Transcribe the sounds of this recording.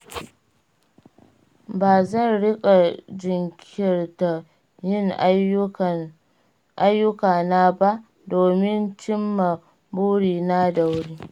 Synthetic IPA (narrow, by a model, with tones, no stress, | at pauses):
baː˨zɐ˦˨nɽɪ˦kʼa˨d͡ʒɪ˨ŋkʲʰɪ˦rta˨ | jɪ˦˨ŋ˨ | ʔa˦jːʊ˦kaː˨na˦ba˦ʔ | doː˨mɪ˦nt͡ʃɪ˦mːa˨ | buː˦ɽiː˨na˦da˨wɽiː˦